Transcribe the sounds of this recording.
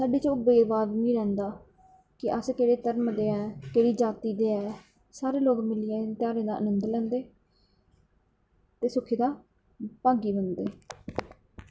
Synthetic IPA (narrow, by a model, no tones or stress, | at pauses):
saːɖiːt͡ʃʊbeːʋaːd̪mĩːɾɛ̃ːnd̪aː | kɪʔəskeːɽeːt̪əɾmd̪eːɛːkeːɽiːd͡ʒaːt̪iːd̪eːɛː | saːɾeːloːɡmɪliẽt̪ɪjaːɾẽːd̪aːʔənənd̪lɛ̃ːnd̪eː | t̪eːsʊkʰːeːd̪aː | pãːɡiːbənd̪eː